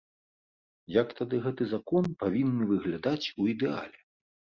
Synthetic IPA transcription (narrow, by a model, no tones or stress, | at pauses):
jɐkt̪ad̪ɨɣɛt̪ɨzakɔnpavʲinːɨvɨɣlʲad̪at͡sʲuid̪ɛa̰lʲɛ